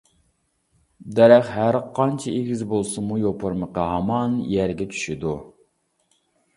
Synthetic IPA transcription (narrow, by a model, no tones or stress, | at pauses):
d̪ɛɾæχɦæɾqʰɑnt͡ʃʰɛʔeɡʲizbolˠsɨmujopʰʊɾməqɑɦɑmɑnjæɾɡʲɛt͡ʃʰy̥ʃid̪u